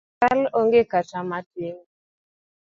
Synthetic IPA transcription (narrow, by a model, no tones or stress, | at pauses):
ɛloŋɡekat͡ʃamateŋ